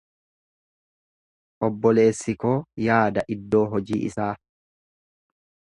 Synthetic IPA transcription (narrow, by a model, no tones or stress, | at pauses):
ʔɔbːɔle̞ːsːɪko̞ːjaːd̪ɐʔɪd̪ːo̞ːɦɔd͡ʒiːʔɪ̰saː